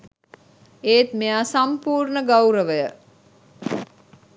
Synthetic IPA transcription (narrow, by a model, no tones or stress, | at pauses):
eːt̪meaːsampuːɾnəɡawɾəʋəjə